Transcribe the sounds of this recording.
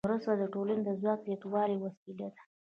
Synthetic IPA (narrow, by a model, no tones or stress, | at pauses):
ɾʊst̪ad̪əʈolaned̪əzwɑk̚zjat̪wɑɾewasilad̪ḁ